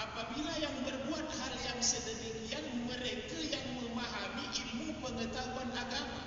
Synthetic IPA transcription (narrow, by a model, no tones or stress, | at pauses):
ʔapabilajaŋbərbuat̪̚haljaŋsədədəɾianməɾekajaŋməmaɦamiʔimupəŋət̪auanakar